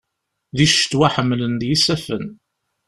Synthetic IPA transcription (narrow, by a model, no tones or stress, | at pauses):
ðiʃt̪ːwaħəmːlənd̪jisæfən